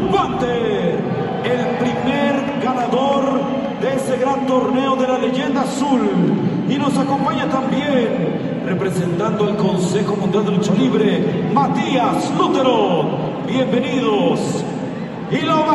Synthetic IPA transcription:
want̪e | elpɾimeɾ | ɡanaðo̞ɾ | d̪eese̞ɣɾant̪o̞ɾne̞oðe̞lale̞ʝe̞nd̪asul | ino̞sako̞mpaɲat̪ambjen | re̞pɾese̞nt̪and̪oelko̞nse̞xo̞mũnd̪jald̪elt͡ʃoliβɾemat̪iaslut̪e̞ɾo | bje̞mbe̞niðos | ilo

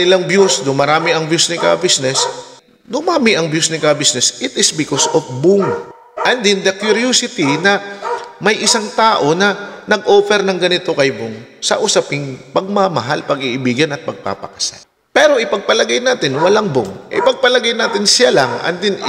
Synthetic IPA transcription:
ɪlaŋbjusd̪ʊŋmɐɾaːmɪɐŋbjusnɪkɐ̰bɪsnɛs | d̪ʊmaːmɪʔɐŋbjusnɪkabisnɛsɪt̪ɪsbɪkosofbʊŋ | ʔɐnd̪ɪnd̪ɐkjʊɾusɪt̪inɐmɐjʔɪsaŋt̪aːʔo̞nɐnɐɡʔoːfɛɾnɐŋɡɐnɪt̪o̞kɐjbʊŋsɐ̰ʔʊsapɪŋpɐɡ̚mɐmɐɦalpɐɡɪʔɪbiːɡɐnɐt̪̚pɐɡ̚pa̰pɐ̰kɐ̥sa̰l | pɛːɾo̞ʔɪpɐɡ̚pɐlɐɡajnaːt̪ɪnwɐlaŋbʊŋʔɪ̰pɐɡ̚pɐlɐɡajnaːt̪ɪnsjalɐŋʔɐ̰nd̪ɪn

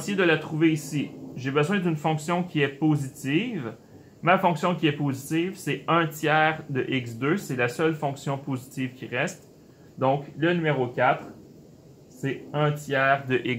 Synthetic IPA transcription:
sjed̪əlat̪χuveisiʒebəzwɛ̃d̪ynfɔ̃ksjɔ̃kʲiɛpozit̪iv | mafɔ̃ksjɔ̃kʲiɛpozit̪ivsɛɛ̃t̪jɛːʁd̪əʔiksd̪øsɛlasœlfɔ̃ksjɔ̃pozit̪iv̥kʲiʁɛst̪ | d̪ɔ̃klənymeʁokʲat̪χ | sɛɛ̃t̪jɛːʁd̪əʔik

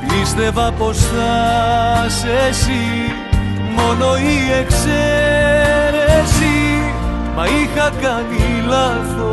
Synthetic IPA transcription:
ist̪evaposa | sesi | monoiekse | ɾesi | mɐixakanilaðo

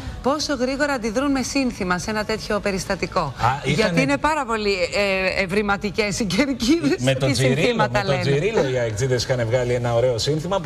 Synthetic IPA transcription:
po̞so̞ɣɾiɣo̞ɾɐnd̪iðɾunme̞sinθimɐse̞nɐt̪e̞t̪ço̞pe̞ɾist̪ɐt̪iko̞ɐiʝɐt̪iine̞pɐɾɐpo̞lievɾimɐt̪ice̞siceɾciet̪oisinɾθimɐt̪ɐleonziɾilojɐekt͡sid̪eskɐnevɣɐlie̞nɐoɾe̞o̞sinθimɐp

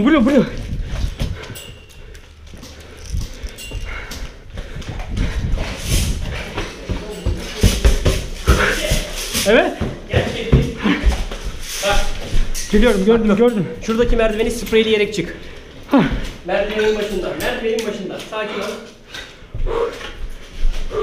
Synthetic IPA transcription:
bulʲobulʲo | evɛt̪ɟæɾt͡ʃei | b̪a | b̥ilʲijo̞ɾumɟøɾd̪yøɾd̪ymʃuɾd̪acʰimæɾd̪ve̞nisɯpɾejlʲijeɾɛc̚t͡ʃʰɯk | mæɾd̪veninbaʃɯnd̪amæɾd̪veninbaʃɯnd̪asaːcʰiaɾ

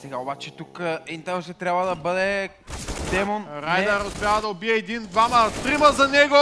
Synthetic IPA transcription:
sɛɡaobat͡ʃɛt̪ukint̪əmˠʃɛt̪ɾʲjabvəd̪ɐbɤd̪ɛ | d̪ɛmonɾajd̪ɐɾospʲjavəd̪ɐobiɛːd̪ind̪vamət̪ɾiməzɐnɛɡo

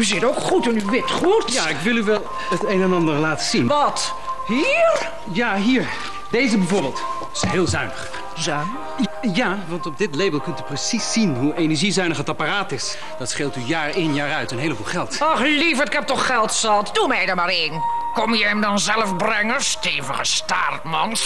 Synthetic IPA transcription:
yzɪtowkχutənʋɪtχutjaɪkʋɪlˠyʋɛlˠ | ətejnɛnɑndəɹlaːtəzinʋɑt | ɦiːɹ | jaːɦiːɹ | dejzəbɛvoːɹbeːlˠt | ɪsɦeːlˠzœɥnəχ | zœn | jaːʋɑntɔb̚dɪtlejbəlˠkɵntyprəsisːinɦuʔejnɛɹʒizœɥnəχətaparaːtɪs | d̥ɑtsχeːlˠtyjaːɹenjaːɹœɥtənɦejləbulˠχɛlˠtɔχlivətɪkɛp̚tɔχχɛlˠtsɑtdumɛjdəɹmaːɹɪnkɔmjəɛmdɑnzɛləfbrɛŋəsteːvəχə̰sta̰ːrtmɑns

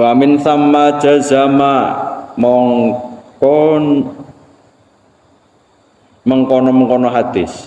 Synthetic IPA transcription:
wamɪnθamːḁd͡ʒ̥azamamɔŋkɔn | məŋkɔnɔməŋkɔnɔɦad̪̥ɪs

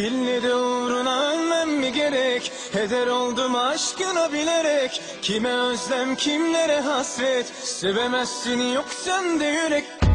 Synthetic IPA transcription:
bilːed̪ɛuɾunaønmæmːiɟeɾɛc | he̞d̪æɾolˠd̪umːʃkɯnabilʲeɾɛc | cʰimɛøzlæmcʰimle̞ɾɛɦasɾɛt̪ | sevemæsːinijoksand̪ejyɾɛc

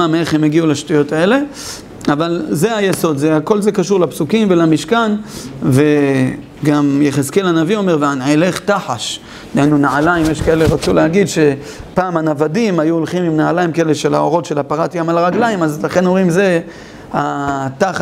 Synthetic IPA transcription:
amee̞χhemeɡiulaʃtujo̞tae̞le̞ | avalze̞ajeso̞d̪zeako̞lze̞kaʃuʁlapsukimvelamiʃkanve̞ | ɡamjeχeskelanavio̞me̞ʁveaneleχt̪aħaʃ | dajnunaʕalaimjeʃkae̞le̞ʁat͡suleaɡid̪ʃe̞ | paːmanavadimajuolχimimnaʕalajimkaeleʃela̰o̞ʁo̞tʃe̞lapaʁat̪jamalaʁaɡlaimazlaχe̞nomimze | at̪a

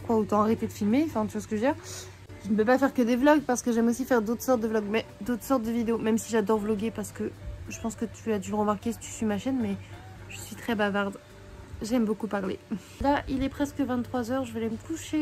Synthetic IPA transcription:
kwaot̪ɑ̃aʁet̪ed̪əfilmẽfɛ̃t̪yvwasə̥kəʒəd̪ɛʁ | ʒ̥ənəpøpafɛʁkəd̪evlɔɡpaʁsə̥kəʒɛmosifɛʁd̪ot̪χsɔʁt̪̚d̪əvlɔɡmɛ | d̪ot̪χsɔʁt̪̚d̪əvid̪eomɛmsiʒad̪ɔʁvlɔɡepaʁsə̥kəʒəpɑ̃skət̪ʰyad̪yləʁəmaʁkʲesi̥t̪y̥sɥimaʃɛnmɛ | ʒəsɥit̪χɛbavaʁd̪ | ʒɛmbokupaʁlḛ | laʔilɛpχɛskəvɛ̃t̪t̪ːχwazœʁʒəvɛlɛməkuʃe

